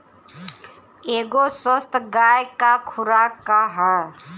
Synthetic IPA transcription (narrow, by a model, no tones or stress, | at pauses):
eːɡosəst̪ʰɡaːjkakʰʊɾakaɦɛ